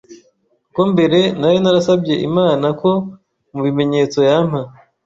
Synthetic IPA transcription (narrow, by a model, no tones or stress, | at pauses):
kombe̞ɾe̞najo̞naɾasabɟe̞ʔḭmaːnako̞ | muβime̞ɲe̞t͡so̞jam̥ha